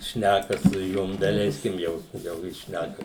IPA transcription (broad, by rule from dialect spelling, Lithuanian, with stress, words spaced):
ˈʃʲnʲækɐ sʊ ˈjʊm dɐˈlʲɛɪsʲkʲɪm ˈjɛʊ jɛʊ ˈjɪs ˈʃʲnʲækɐ